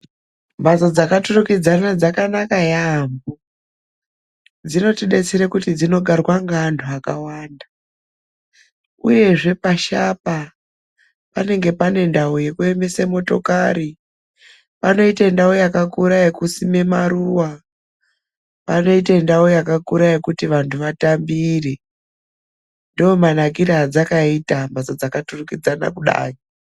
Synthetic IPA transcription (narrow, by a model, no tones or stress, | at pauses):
basod͡zakaturukid͡zanad͡zakanakajambo | d͡zino̞tiɗe̞t͡seɾekutid͡zino̞ɡʱarwaŋɡandʱuakawaːnda | ṵje̞ʐe̞paʃapa | pane̞ŋɡe̞pane̞ndaoje̞kue̞mesemo̞to̞kaɾi | pano̞itandawojakakuɾajekusime̞maɾuwa | pano̞itandawojakakuɾajekutiʋantʰuʋatambire | ndiomanak̬iɾad͡zakaitambat͡sad͡zakaturukid͡zana̰kuɗa̰ːji